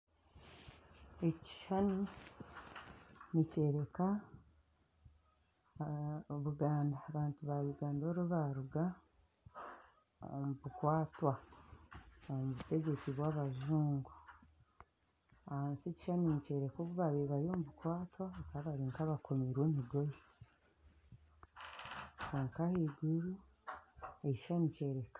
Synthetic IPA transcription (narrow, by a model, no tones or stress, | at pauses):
e̞ci̥ʃani | nice̞ːɾe̞ka | oβuɡaːndaːβaːntuβaluɡaːndoɾuβaɾuɡa | muβukwaːtwa | omuβute̞ɟe̞ciβwaːβaʒuːŋɡu̥ | ahaːnseci̥ʃaninice̞ɾe̞koβuβaβiβaɾiomuβukwaːtwakaβaɾiːŋkaβakʰo̞meɾweːmiɡo̞je | kuːŋkaheɡuɾu | eci̥ʃanice̞ɾe̞kḁ